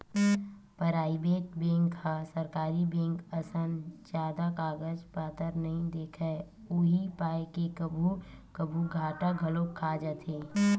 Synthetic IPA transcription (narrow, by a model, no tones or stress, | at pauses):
pəɾaːibeːt̚bẽːŋkasəɾkaːɾibẽːŋkəsənd͡ʒaːd̪akaːɡəd͡ʒpaːt̪əɾnɐɦĩd̪eːkʰɛ | ʊɦipaːjkekəbʱukəbʱuɡʱaːʈaɡʱəlokʰːaːd͡ʒat̪ʰeː